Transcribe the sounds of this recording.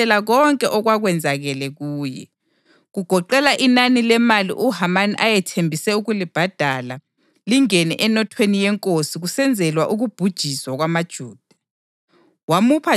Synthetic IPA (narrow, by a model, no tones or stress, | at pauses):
ɛlaɣɔŋkʼɛʔɔɣwaɣwɛnd͡zʱaɣɛlɛɣuːjɛ̰ | ɣuɡ̥ʱɔǃɛlaʔinanilɛmalḭʔuhamanʔajɛtʰembʱisɛuɣulib̥ʱad̥ʱala | liŋɛnɛ̰ʔɛnɔtʰwenijɛŋkʼosiɣusɛnd͡zʱɛlwaʔuɣub̥ʱud̥ʒ̥ʱiswaɣwamad̥ʒ̥ʱuːd̥ʱa | wamupʰa